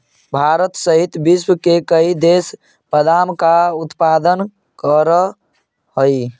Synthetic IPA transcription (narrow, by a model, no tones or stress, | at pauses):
bʱaɾət̪səɦit̪biswkekəid̪es | pəd̪amkaut̪pad̪ən | kəɾə | ɦəj